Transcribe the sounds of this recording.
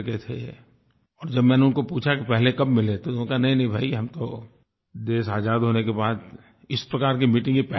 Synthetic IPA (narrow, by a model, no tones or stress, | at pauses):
ket̪ʰḛ | ɔːɾd͡ʒɐbmɛ̃ːneʊnkopuːt͡ʃʰakipɛɦlekɐbmɪlet̪õkanɐɦĩnɐɦĩbʱaːiɦɐmt̪o | d̪eːsaːd͡ʒaːd̪ɦoːnekebaːt̪ | ɪspɾɐkaːɾk̬imiːʈɪ̃ŋɡipɛɦ